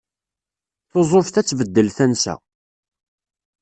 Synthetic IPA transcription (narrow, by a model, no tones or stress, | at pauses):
θozˤofθæt͡sːvəd̪ːəlθænsæ̰